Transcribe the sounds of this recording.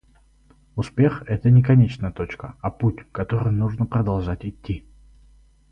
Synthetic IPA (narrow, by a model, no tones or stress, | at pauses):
ʊspʲe̞xɛt̪ənʲɪkɐnʲet͡ɕnəjət̪o̞t͡ɕkəɐputʲkɐt̪o̞ɾɨjnuʐnəpɾəd̪ɐlˠʐatʲɪt̪ʲːi